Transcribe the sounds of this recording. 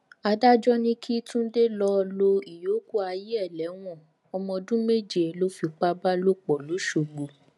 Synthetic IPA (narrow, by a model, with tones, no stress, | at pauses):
a˧da˦d͡ʒɔ˦nĩ˦kʰi˦tũ˦n̩˦de˦lɔ˧lo˧i˨jo˨˦ku˦a˧ji˦ɛ˦˨lɛ˨˦w̃ɔ̃˦˨ | ɔ˧mɔ̃˧dũ˦me˦˨d͡ʒe˨lo˦fi˧˨k͡pa˦ba˦lo˦k͡pɔ˨lo˨˦ʃo˨ɡ͡bu˨